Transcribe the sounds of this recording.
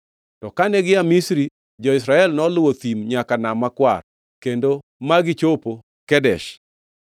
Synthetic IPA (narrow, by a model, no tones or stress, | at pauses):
tɔkanɛɡɪamisɾi | d͡ʒɔɪs̬ɾaɛlnɔlʊwot̪imɲakanamakwa̰r | kendo | maɡɪt͡ʃopo | kɛdɛʃ